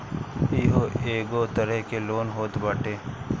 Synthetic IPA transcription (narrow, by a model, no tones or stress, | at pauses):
iɦoeːɡot̪əɾəɦkeloːnɦoːt̪baːʈeː